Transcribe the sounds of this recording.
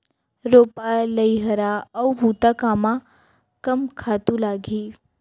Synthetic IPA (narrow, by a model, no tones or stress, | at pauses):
ɾoːpaləjɦəɾaɐɦut̪akama | kɐmkʰaːt̪ulaɡʱiː